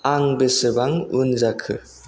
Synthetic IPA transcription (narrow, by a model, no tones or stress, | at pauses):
aŋbɯsɯbaŋunzakʰɯ